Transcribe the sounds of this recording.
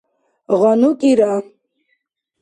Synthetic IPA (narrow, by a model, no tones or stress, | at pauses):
ʁʷanukʼiɾa